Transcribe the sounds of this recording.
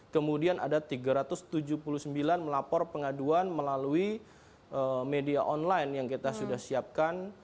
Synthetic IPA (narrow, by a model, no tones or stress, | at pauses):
kəmudianʔadat̪iɡaɾat̪ʊst̪ud͡ʒupuluhsəmbilanməlapɔrpəŋaduanməlalui | ʔəmedia̰ʔɔnlajnjaŋkit̪asudahsiap̚kan